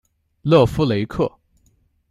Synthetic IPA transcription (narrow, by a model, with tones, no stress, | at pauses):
lɤ˥˩fu˥le˧˥ɪkʰɤ˥˩